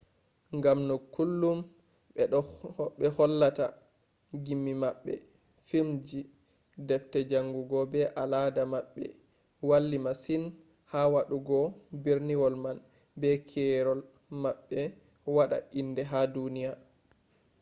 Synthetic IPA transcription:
ŋɡamnɔkːulːum | ɓɛɗɔɓɛhɔlːata̰ | ɡimːimaɓːɛ̰ | fimd͡ʒi | dɛftɛd͡ʒaŋɡuɡɔbɛʔaladamaɓːɛ̰ | walːimasin | hawaɗuɡɔbiɾniwɔlman | bɛkʰɛɾɔl | maɓːɛ | waɗa̰ʔindɛɦadunija

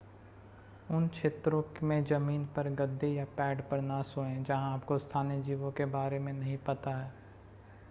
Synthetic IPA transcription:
ʊnkʃʰeːt̪ɾõkmẽd͡ʒɐmiːnpɐɾɡɐd̪ʱːejapɛːɖpɐɾnasoẽd͡ʒɐɦãaːpkost̪ʰaːnijəd͡ʒiːʋõkebaːɾemẽnɐɦĩpɐt̪aɦɛː

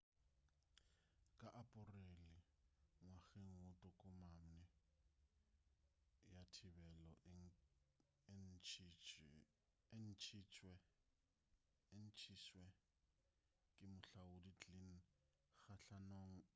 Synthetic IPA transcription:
kʼaʔapʼʊrelɪ | ŋwaɣeŋ̩ʊtʼɔkʼʊmam̩nɛ | jatʰɪbɛlɔʔ | n | en̩t͡ʃʰit͡ʃʰʼwɛ | en̩t͡ʃʰiswɛ | kʼɪmʊɬaʊdit͡ɬʼin̩ | xaɬanoŋ̩

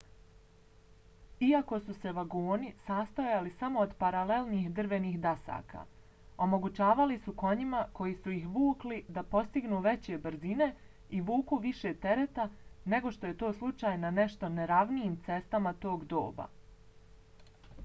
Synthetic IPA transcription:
iako̞suse̞ʋaɡoːnisast̪ajalisamo̞ːd̪paɾale̞lˠniːxd̪r̩ʋe̞niːxd̪asa̰ːka̰ | o̞mo̞ɡut͡ɕaːʋalisuko̞ɲimako̞jisujixʋuːklid̪apo̞st̪iɡnuːʋe̞t͡ɕe̞bɾ̩zine̞ | iʋuːkuʋiʃe̞t̪e̞ɾe̞t̪ane̞ɡo̞ʃt̪o̞je̞t̪o̞ːslˠut͡ʃaːjnane̞ʃt̪o̞neɾaʋnijiːmt̪se̞st̪amat̪o̞ːɡd̪o̞̰ːba̰

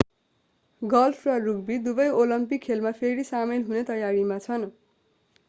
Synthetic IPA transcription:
ɡʌlfʰrʌruɡ̚bid̪ubʌjolʌmpikʰːelmapʰeɾisamelɦunet̪ʌjaɾimat͡sʰʌn

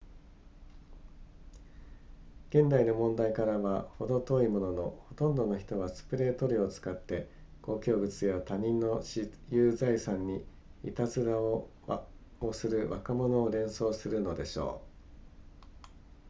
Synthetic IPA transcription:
ɡ̥ẽ̞nd̪aino̞mõ̞nd̪aikaɾaβaho̞d̪o̞t̪o̞imo̞no̞no̞ho̞t̪õ̞nd̪o̞no̞çi̥t̪o̞βasɨ̥pɯ̟ɾe̞ːt̪o̞ɾʲio̞t͡sɨ̥kat̪ːe̞ | ɡ̥o̞ːkʲo̞ːbɯ̟t͡sɨjat̪aɲ̟ĩnːo̞ɕijɯːzaisãɲ̟ːi | ḭt̪azɨd̪a | osɨɾɯ̟βa̰kamo̞no̞ːɾẽ̞ɰ̃so̞ːsɨɾɯ̟no̞d̪e̞ɕo̰ː

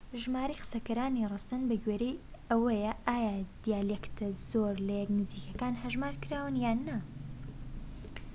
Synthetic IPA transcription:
ʒmaːɾijqɨ̥sɐkɐɾaːnirˤɨsɐnbɐɡweɾej | ɐwɐjɐʔaːjad̪̥ijaːlekt̪ʰɐzoːɾlɐjɛknɨziːkɐkaːnhɐʒmaːɾkɨɾaːwɨnjaːnːɐ

